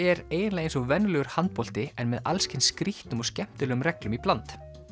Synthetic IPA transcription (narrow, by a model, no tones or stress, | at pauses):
ɛɾeːjðɪnlaːɣejnsɔvɛnːʏlɛɣʏɾ̥hant̪̚pɔl̥t̪ɪɛnmɛða̰lscɪnskɾiht̪nʏmɔscɛm̥t̪ɪlɛːɣʏmrɛklʏmiplant̪